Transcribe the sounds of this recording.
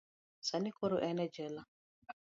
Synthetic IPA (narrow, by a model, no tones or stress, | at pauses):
sanikoɾoʔɛnɛd͡ʒɛla